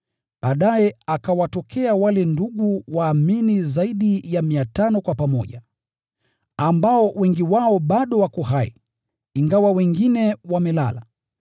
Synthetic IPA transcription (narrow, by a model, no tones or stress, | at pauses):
ɓaːɗajɛakawatɔkʰɛawalɛnduɠuwaːminizaiɗijamiatanɔkwapamɔʄa | ambaɔwɛŋɡiwaɔɓaɗɔwakɔhaḭ | iŋɡawawɛŋɡinɛwamɛla̰la̰